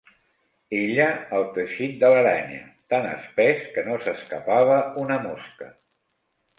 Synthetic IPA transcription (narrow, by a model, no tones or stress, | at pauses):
eʎəːlˠt̪əʃit̪̚d̪ələɾaɲə̰t̪anə̰spɛskənosəskəpaβ̞əunəmoskə